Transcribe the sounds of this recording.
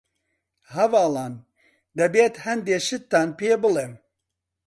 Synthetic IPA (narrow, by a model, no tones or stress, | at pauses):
hɐvɑːlɑːn | d̪ɛbeːt̪hɛnd̪eːʃɨt̪ːaːnpeːbɨlem